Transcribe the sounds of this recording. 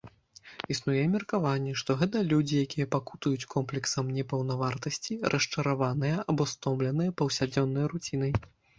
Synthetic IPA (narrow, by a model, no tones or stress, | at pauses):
isnujɛmʲɛrkavanʲːɛʂt̪ɔɣɛt̪̬ɐlʲud͡zʲijakʲijɐpakut̪ujut͡sʲkɔmplʲɛksɐmnʲɛpɐwnavart̪ɐsʲt͡sʲirʔɐʂt͡ʂɐɾavanɨjɐʔabɔst̪ɔmblʲɛnɨjɐpɐwsʲad͡zʲɔnːɐjɾut͡sʲin̪ɐj